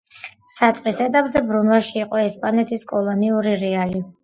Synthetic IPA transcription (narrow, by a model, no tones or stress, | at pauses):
sat̪sʼqʼisɛt̪ʼabzɛbɾunwaʃiːqʼɔɛspʼanɛt̪ʰiskʼɔlˠɔniuɾiɾɛali